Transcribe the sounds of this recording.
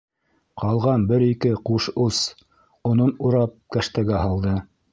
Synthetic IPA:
qʰɑlˠʁɑnbɘɾikɘquʃus | ŏnonuɾɑp̚kæʃt̪æɡæɦɑlˠd̪ɤ

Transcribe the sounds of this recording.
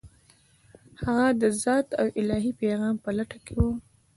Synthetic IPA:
haɣad̪əzɑːt̪awʔɪlɑɦipeɣɑːmpəlaʈakʰewu

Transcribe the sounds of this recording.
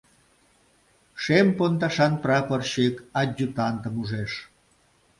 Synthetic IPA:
ʃempont̪ɑʃɑnprɑpərɕekɑd͡ʑːut̪ɑnt̪əmuʒeʃ

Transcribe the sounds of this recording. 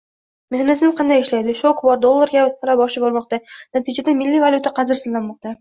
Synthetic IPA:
mehanɪzɪmqʰɑnd̪ajɪʃlajd̪ɪʃokbɒɾd̪o̞lˠːaɾɡʲat̪aɾabɒʃɪbɒɾmɒqt̪anat̪ʰɪd͡ʒad̪amɪlːivaljut̪ʰaqʰɑd̪ɪɾsɪzlːanmɒq̚t̪a

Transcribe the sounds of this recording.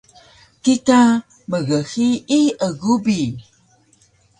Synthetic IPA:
kita | məɣəxiiəɣubi

